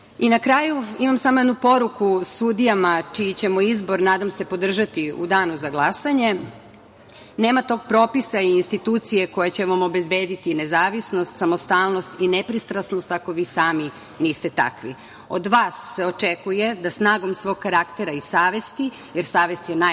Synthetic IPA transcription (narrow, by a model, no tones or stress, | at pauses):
inakɾaːjuimamsamo̞jed̪nupo̞ɾukusud̪ijamat͡ʃit͡ɕe̞moizbo̞ɾnaːd̪amse̞po̞d̪r̩ʒat̪iṵd̪aːnuzaɡlˠasaɲe̞ | ne̞ːmat̪o̞ːɡ̚pɾo̞ːpisaiːnst̪it̪uːt̪sije̞ko̞jat͡ɕe̞ʋamo̞be̞zbe̞ːd̪it̪ine̞zaːʋisno̞st̪samo̞st̪aːlˠnost̪inepɾist̪ɾasno̞st̪ako̞ʋiːsaːmi | niːst̪e̞t̪a̰kʋḭ | o̞̰d̪ʋaːsːe̞ot͡ʃekuje̞d̪asnaːɡo̞msʋo̞ːɡ̚kːaɾakt̪eɾaisaːʋe̞st̪i | jeɾsaːʋe̞st̪jena